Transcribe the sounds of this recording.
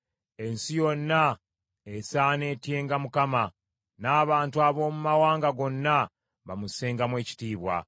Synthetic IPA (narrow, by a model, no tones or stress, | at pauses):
e̞nsijo̞nːa | esaːne̞ːtje̞ːŋɡamukama | naːβaːntuaβo̞ːmumawaːŋɡaɡo̞nːa | βamuse̞ːŋɡamwe̞ːci̥tiːβwa̰